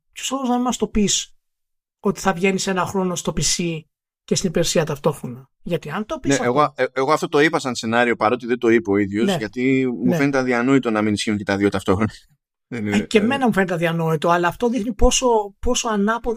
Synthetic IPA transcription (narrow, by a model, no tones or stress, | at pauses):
pʰosoloznɐimɐst̪o̞pis | o̞t̪i̥θɐvʝe̞nise̞nɐxɾo̞no̞st̪o̞pisi | ce̞st̪inipeɾsiɐt̪ɐft̪o̞xɾo̞nɐ | ʝɐt̪iɐnt̪o̞pinseeɣoeeɣo̞ɐft̪o̞t̪o̞ipɐsɐnse̞nɐɾio̞pɐɾo̞t̪iðe̞nd̪o̞ipooiðʝozʝɐt̪imufe̞nit̪ɐðiɐnoit̪onɐminisçiuɲcet̪ɐðjot̪ɐft̪o̞xɾonɐ | ðenieme̞nɐmufe̞nit̪ɐðiɐno̞it̪oɐlɐːft̪o̞ðixnipo̞so̞po̞so̞ɐnɐpo